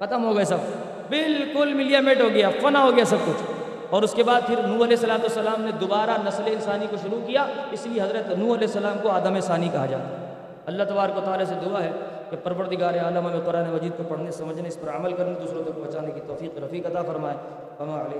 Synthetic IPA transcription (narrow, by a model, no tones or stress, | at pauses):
xɐt̪əmɦoɡɐesɐb̚ | bɪlkʊlmɪlijaːmeːʈɦoːɡɐjafɐnaɦoɡɐjasɐb̚kʊt͡ʃʰ | ɔːɾʊskebaːd̪̚pʰɪɾnũːɐlɛːsːɐlaːt̪uɐsːɐlaːmned̪obaːɾanɐsleɪnsaːnikoʃʊɾukijaɪslieɦɐzɾət̪nũːɐlɛːɦsːɐlaːmkoaːd̪əmesaːnikɐɦad͡ʒa̰ːt̪a | ɐlːaɦt̪ɐbaːɾəkwʋɐt̪aːlased̪uaɦɛ | kepɐɾʋəɾt̪ɪɡaːɾeaːləmɦɐmeqʊɾaːnemɐd͡ʒiːd̪̚kopɐɽ̤nesɐməd͡ʒʱneɪspɐɾɐməlkɐɾned̪uːsɾoːɡ̪õkobɐt͡ʃaːnekit̪ɔːfiːqɾɐfiːqɐt̪afɐɾmaːe | ɐmaleː